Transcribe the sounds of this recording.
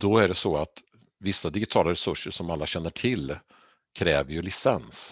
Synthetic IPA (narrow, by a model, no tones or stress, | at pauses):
d̪̥ɔæɖɛsɔat̪ | vɪsːad̪ɪɡɪt̪ʰɑːlaɾɛsɵʂːəʂɔmalːaɕɛnːəʈʰɪl | kʰɾɛːvəɾjɵlɪsɛns